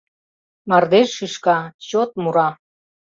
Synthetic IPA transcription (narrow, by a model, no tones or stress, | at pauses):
mard̪eʒʃiʃkaɕot̪̚muɾɑ